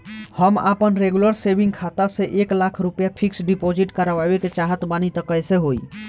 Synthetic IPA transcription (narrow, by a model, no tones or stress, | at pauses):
həma̰pənɾeɡjuləɾsebʱĩŋɡkʰat̪aseʔeklakʰɾupəjapʰiksɖipod͡ʒiʈkəɾəʋabeket͡ʃaɦət̪banit̪əkəjseɦoi